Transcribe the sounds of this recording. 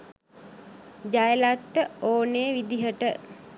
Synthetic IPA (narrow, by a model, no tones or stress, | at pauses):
d͡ʒajəlat̪ːəoːneʋid̪iɦəʈə